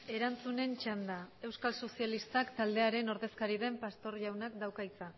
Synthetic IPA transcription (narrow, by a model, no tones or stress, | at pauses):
e̞ɾant͡sune̞nt͡ʃand̪ae̞wskalso̞sialist̪akt̪ald̪e̞aɾe̞no̞ɾðe̞skaɾiðe̞mpast̪o̞ɾʎawnakd̪awkajt͡sa